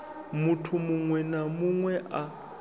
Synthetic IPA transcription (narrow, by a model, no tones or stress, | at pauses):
mutʰumuŋwɛnamuŋwɛʔa